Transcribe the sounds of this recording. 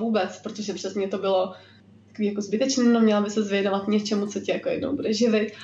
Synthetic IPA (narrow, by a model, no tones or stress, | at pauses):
vuːbɛt͡spɾot̪oʒɛpr̝̥ɛsɲɛt̪o̞bɪlo̞ | t̪ḁkoviːjako̞zbɪt̪ɛt͡ʃnɛːnomɲɛlabɪsɛzvjɛnovat̪ɲɛt͡ʃɛmut͡so̞cɪjakojɛ̰dno̰wbudɛʒɪvɪt̪